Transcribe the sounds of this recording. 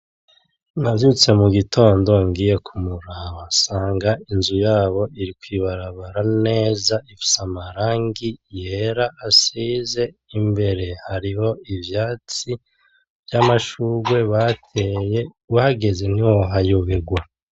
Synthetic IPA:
navjut͡se̞muɡito̞ːndo̞ŋɡiːje̞kʰumuɾaβasaːŋɡainzujaːβo̞ʔiɾikwiβaɾaβaɾane̞ːzaifi̥samaɾaːŋɡijeɾaʔːsiːze̞imbe̞ɾe̞haɾiho̞ivjaːt͡si | vjamaʃuɡwe̞βatʰeje̞ | uhaɡe̞ze̞n̥iwoɦajoβeɡwa

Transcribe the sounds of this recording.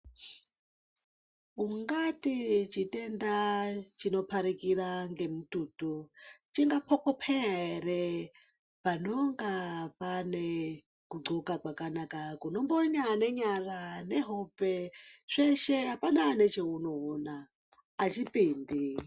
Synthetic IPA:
uŋɡatit͡ʃitʼendat͡ʃinopʰaɾikiɾaŋɡemutʼutut͡ʃiŋɡapʰokopʰɛeɾe | panoŋɡapane | kuɡ͡ǀokakwakanakakunomboɲaneɲaraneɦopeʐ̥eʃeapananet͡ʃeunowonaː | t͡ʃipʼiːndi

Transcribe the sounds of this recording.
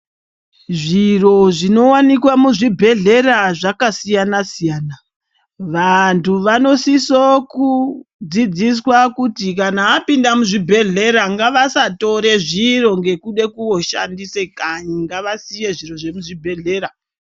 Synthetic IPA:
ʐiro̞ʐino̞wanikwamuʐibʱe̞ɮe̞raʐakasijanasijaːna | ʋantʰuʋano̞sisokud͡zid͡zis̬wakutikanaːpindamuʐibʱe̞ɮe̞ɾaŋɡaʋasato̞ɾe̞ʐiro̞ŋɡe̞kuɗe̞kuwo̞ʃa̰ndise̞kaɲiŋɡaʋasije̞ʐiro̞ʐe̞muʐibʱe̞ɮe̞ːɾa

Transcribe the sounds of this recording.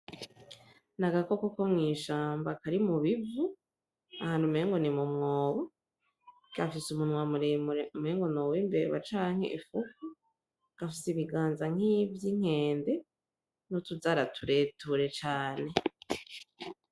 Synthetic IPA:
naɡakokokomŋiːʃaːmbakaɾimuβivu | ahaːnhumeːŋɡonimumŋoːβo | ɡ̥afisumunwa | meːŋɡo̞nowimbḛβa̰t͡ʃaːŋ̥hḛʔifuku | ɡ̥afisiβiɡaːnzaŋ̥ivjiŋ̥e̞ːnde̞ | notuzaɾatʰuɾe̞tuɾe̞t͡ʃaːne̞

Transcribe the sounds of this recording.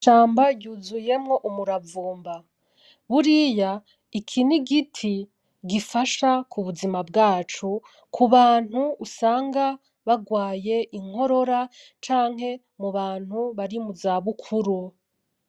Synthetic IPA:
ʃaːmbaɟuːzuje̞mŋo̞ʔumuɾavuːmba | βuɾija | ikʰiniɡitʰi | ɡifaʃakuβuzimab̚ɡaːt͡ʃu | kʰuβaːn̥huːsaːŋɡa | βaɡwaːje̞ʔiŋ̥ho̞ɾo̞ɾat͡ʃaːŋ̥he̞ | muβaːn̥huβaɾimuzaːβukʰuɾu

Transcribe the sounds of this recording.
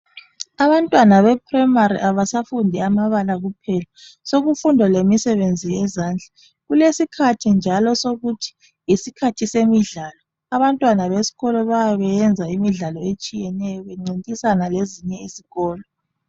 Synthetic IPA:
aβantʼwanaβɛpʰʼrɛmaɾḭʔaβasafundʱɛamaβalaɣupʰɛlasoɣufundʱɔlemisɛβend͡zʱijɛzaːnd͡ɮʱa | ɣulesikʰatʰind͡ʒʱalɔsoɣutʰi̥ | isikʰatʰisemiɮaːlɔ | aβantʼwanaβesi̥ɣɔlɔβajaβɛjɛnd͡zʱaimiɮalɔet͡ʃʼijɛnɛjɔβeŋ͡ǀintʼisanaleziɲɛiziɣɔːlɔ

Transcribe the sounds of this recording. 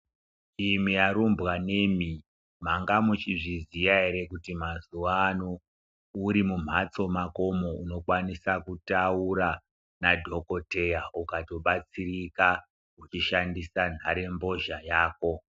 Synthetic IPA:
imiaɾumbɣane̞mi | maŋɡamut͡ʃiʐizijaeɾe̞kutimazuʋanoː | ɾimum̤at͡so̞mako̞mo̞uno̞kwanisakutauɾa | nadʱo̞ko̞te̞jaukato̞ɓat͡sirika | ut͡ʃiʃandisan̤aɾe̞mbo̞ʒajaːko̞

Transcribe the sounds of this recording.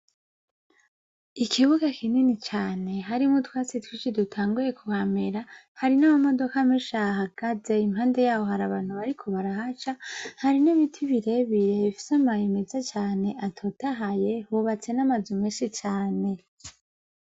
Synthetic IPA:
ikʰiβuɡakʰininit͡ʃaːne̞ɦaɾimutwaːt͡sitwit͡ʃidutʰaːŋɡuje̞kʰuhameɾa | haɾinamamo̞do̞kameʃaɦaɡ̥aze̞imhaːnde̞jaːwo̞ɦaɾaβaːn̥huβaɾikʰo̞βaɾaɦat͡ʃahaɾiniβitʰiβiɾe̞βiɾe̞βifi̥samajime̞zet͡ʃaːne̞ʔatʰotʰaɦaje̞huβat͡se̞namazimeːnʃit͡ʃaːne̞

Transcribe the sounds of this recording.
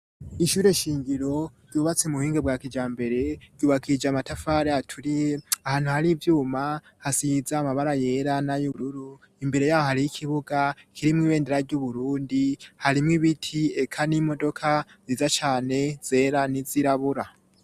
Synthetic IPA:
iʃuːɾe̞ʃiːŋɡiɾo̞ | ɟuːβat͡semuhiːŋɡebwaːkid͡ʒaːmbe̞ɾe̞ɟ̥uːβakʰid͡ʒamatafaɾeatʰuɾijeahaːn̥uhaɾivjuːma | hasizamaβaɾaje̞ːɾanajuɾuɾu | imbe̞ɾe̞jaːβohaɾijikʰiβuɡakʰiɾimŋiːβe̞ːndeɾaɾɟuβuɾuːndihaɾimŋiβitʰie̞kʰanimo̞do̞kʰa | ziːzat͡ʃaːne̞z̥e̞ːɾaniziɾaβuɾa

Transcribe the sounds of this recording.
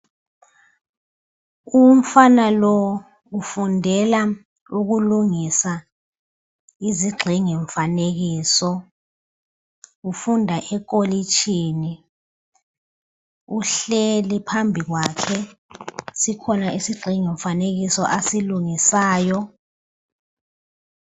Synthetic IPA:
um̩fanalɔ | ufundʱɛla | uɣuluŋisa | iziɡ͡ǃʱiŋeɱfaneɣiːsɔ | ufundʱaʔɛk̬ʼolit͡ʃʰʼiːni | uɬelipʰambʱiɣwakʰɛ | sikʰɔnaisiɡ͡ǃʱiŋɛɱfaneɣisɔʔasiluŋisaːjɔ

